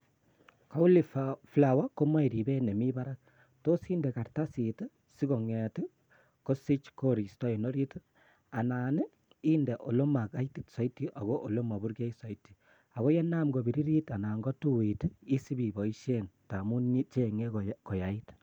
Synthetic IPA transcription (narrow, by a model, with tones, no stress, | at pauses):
ka˦u˦li˨fafla˨wa˦ko˦ma˦i˨ɾi˨be˦ne˨mi˦ba˦ɾa˦k̚ | to˦si˦ndɛ˨ka˨rta˦si˨tɨ˦ | si˦ko˨ŋɛ˨tɪ˦ | ko˦si˦t͡ʃko˦ɾi˨stɔ˦i˨no˦ɾi˦t | a˨na˨ne˦ | iː˦ndɛ˨ʔo˨lo˦ma˨ka˦iti˨tsa˦i˦tːi˦ʔa˨ɣo˦ʔo˨lo˦ma˨bu˦ɾke˦i˦sɔ˨itːi̥˨ | a˨ɣo˦je˦na˦mɡo˨bi˨ɾi˦ɾi˦ta˨na˨ŋɡɔ˦tu˦witi˦si˦bi˨bɔ˨i˦ʃe˦nta˨mu˦nɲi˦t͡ʃeŋe˦ko˨ja˨it